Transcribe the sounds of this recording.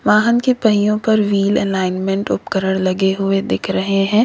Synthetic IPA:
ʋaːɦənkepɐɦijõpɐɾʋiːlɛ̰laːɪnmẽɳʈʊ̰pkəɾəɽ̃lɐɡeɦʊed̪ɪkʰɾɐɦeɦɛ̃ː

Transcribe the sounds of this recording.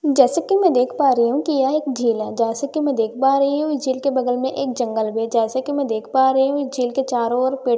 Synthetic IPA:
d͡ʒɛːsekimɛ̃d̪eːkʰpaːɾɐiɦũkijɛeːkd͡ʒʱiːlɛd͡ʒɛːsekimɛ̃d̪eːkʰpaːɾɐɦiɦũɪd͡ʒʱiːlkebɐɡ̪əlmẽʔeːk̚d͡ʒɐ̃ŋɡəlbed͡ʒɛːsekimɛ̃d̪eːkʰpaːɾɐɦiɦũɪd͡ʒʱiːlket͡ʃaːɾoɔːɾpeː

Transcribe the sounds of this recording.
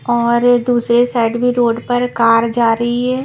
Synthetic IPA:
ɔːɾd̪uːsɾesaːɪɖbʱiɾoːɖpɐɾkaːɾd͡ʒaːɾəɦiɦɛː

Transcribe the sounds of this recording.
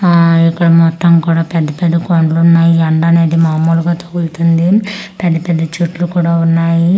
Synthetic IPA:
ikːɐɽɐmɔt̪ːɐmkuːɽaːpɛd̪ːɐpɛd̪ːɐkoɳɖlunːaːjiɐɳɖɐne̞ːd̪imaːmuːluɡaːt̪oɡuɾut̪und̪ipɛd̪ːɐpɛd̪ːɐt͡ʃuʈlukuːɽaːunːaːji

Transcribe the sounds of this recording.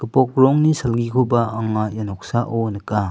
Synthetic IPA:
kəpɔk̚ɾɔŋnisɐlɡikʰobaaŋajanɔk̚saʔonɐka

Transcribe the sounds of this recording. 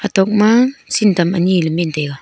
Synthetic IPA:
atok̚masintamaniləminteka

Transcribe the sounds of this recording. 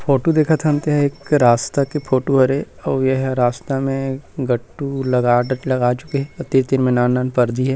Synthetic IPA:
fʰoːʈod̪eːkʰat̪ʰɐmt̪eɦɛeːkɾaːst̪akepʰoːʈoɦɐɾe | ɔːjeɦɾaːst̪amẽɡɐʈːulɐɡaːɖlɐɡaːt͡ʃʊ̥keɦɛɔt̪iɾt̪ɪɾmẽnaːnːaːnpɐɾd̪iɦɛː

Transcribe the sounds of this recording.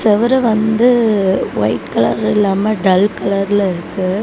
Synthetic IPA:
sɛʋɐɾɐʋɐnd̪ɯʋɐ̰ɪʈkɐlɐ̰ɾɪlːaːmɐɖɐlkɐlɐɾɪlɪɾɯkːɯ

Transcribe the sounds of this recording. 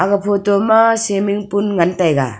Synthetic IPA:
aɡɐpʰotɔmasemiŋpunŋantajɡa̰

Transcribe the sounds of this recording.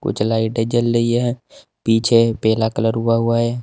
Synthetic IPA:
kʊ̰t͡ʃʰlaːɪʈed͡ʒəlːəieɦɛ̃ | piːt͡ʃʰepɛːlakələɾɦʊaɦʊaɦɛː

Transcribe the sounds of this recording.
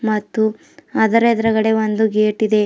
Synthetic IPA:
mɐt̪ːu | ɐd̪ɐɾed̪ɐɾɐɡɐɽe̞ʋond̪uɡeːʈid̪e̞

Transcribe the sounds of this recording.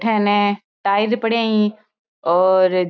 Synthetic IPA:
ʈʰɛ̃ːnẽ | ʈaːɪɾpəɽeĩ | ɔːɾ

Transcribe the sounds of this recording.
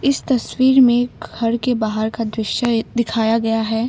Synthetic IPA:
ɪst̪ɐswiːɾmẽɡɡʱɐɾkebaːɦəɾkad̪ɾɪʃjəd̪ɪkʰaːjaɡɐjaɦɛː

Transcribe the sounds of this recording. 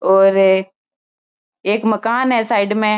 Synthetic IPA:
oːɾ | eːkməkaːnɦɛːsaːɪɖmẽ

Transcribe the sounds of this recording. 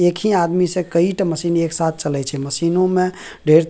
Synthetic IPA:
ekʰiad̪misẽkəiʈəməsiːneksat̪̚ʰt͡ʃəlɛt͡ʃʰɛməsinõme | ɖʱeɾt̪

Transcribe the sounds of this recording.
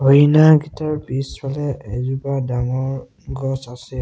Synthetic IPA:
ojinaɡitaɹpisɛlɛɛzubadaŋɔ | ɡɔsasɛ

